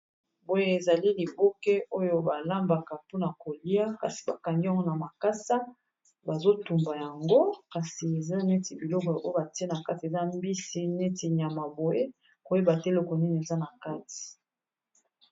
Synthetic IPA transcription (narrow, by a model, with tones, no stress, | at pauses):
bo˨je˦e˨za˨li˦li˨bo˦ke˦o˦jo˨ba˨la˦mba˨ka˨po˦na˨ko˨li˦a˦ka˨si̥˨ba˨ka˨ŋɡi˦a˦ŋɡo˦na˨ma˨ka˦sa˦ | ba˨zo˦tu˨mba˨ja˨ŋɡo˦ka˨si˨e˨za˦ne˦ti˨bi˨lɔ˦kɔ˨ʔo˦jo˦ba˨ti˦e˦na˨ka˦ti˨e˨za˦mbi˦si˦ne˦ti˨ɲ˨a˨ma˨bo˨je˦ | ko˦je˦ba˨te˦lo˦kɔ˨ni˦n˨e˨za˦na˨ka˦ti̥˨